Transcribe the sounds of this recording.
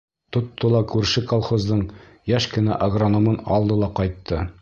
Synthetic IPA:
t̪ŏt̪ːɤlˠɑkʉɾʃɘkolˠχozd̪ɤɴ | jæʃkɘ̆næ̰ʔɐɡronomɤnɒlˠd̪ɤlˠɑqɑjt̪ːɤ

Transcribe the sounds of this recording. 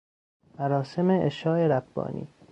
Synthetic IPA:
mæɾɒːse̞meʔeʃɒːeɾæb̥ːɒ̰ːnʔḭː

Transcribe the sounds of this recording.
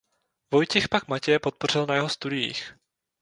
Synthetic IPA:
vo̞jcɪxpakmacɛjɛpo̞t̪̚por̝ɪlnajɛɦo̞st̪udɪjḭx

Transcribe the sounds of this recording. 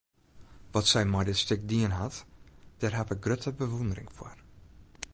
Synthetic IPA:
ʋɔtsɛjmɔjdɪtstʏk̚diənɦatd̥ɛrɦatəɡrøtʰəbəʋundərɪŋfʊ̰r

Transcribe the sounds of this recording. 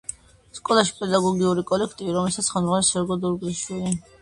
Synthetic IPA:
skʼɔlˠaʃi̥pʼɛd̪aɡɔɡiuɾikʼɔlɛkʰt̪ʼiviɾɔmlɛlsat̪sʰχɛmzʁanɛlsɛɾɡɔd̪uɾɡliʃwili

